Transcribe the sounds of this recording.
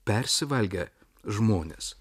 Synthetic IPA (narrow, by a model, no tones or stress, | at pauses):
pʲɛɾʲsʲɪʋɐlʲɡʲɛ | ʒmoːnʲḛs